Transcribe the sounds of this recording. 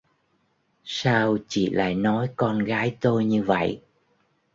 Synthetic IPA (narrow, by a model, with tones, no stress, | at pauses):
saː˧wt͡ɕḭ˧˨la̰ː˧˨jnɔ˨˦jkɔ˧nɣaː˨˦jt̪o˧jɲɨ˧və̰˧˨j